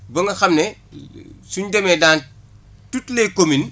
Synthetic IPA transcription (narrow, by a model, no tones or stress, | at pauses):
bɐŋɡɐxɐmnɛ | suɲdɛmɛdaːn | tutlɛkomin